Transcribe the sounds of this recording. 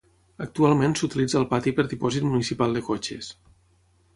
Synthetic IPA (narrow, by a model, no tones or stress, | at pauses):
ək̚t̪ualˠmensut̪ilid͡zəːlˠpat̪ipəɾðipɔzit̪munisipalˠd̪əkot͡ʃḛs